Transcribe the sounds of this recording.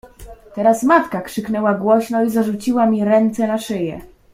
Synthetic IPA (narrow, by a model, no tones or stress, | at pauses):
t̪ɛɾasmat̪kakʂɘknɛwaɡwɔɕnɔizaʐut͡ɕiwamʲiɾɛnt̪sɛnaʂɘjɛ̰